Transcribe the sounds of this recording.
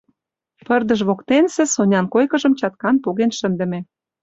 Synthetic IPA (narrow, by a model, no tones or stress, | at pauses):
pə̆rd̪ə̆ʃβokt̪ensĕsonʲɑnkojkə̆ʒə̆mt͡ɕɑt̪̚kɑnpoɣenʃə̆nd̪ə̆mĕ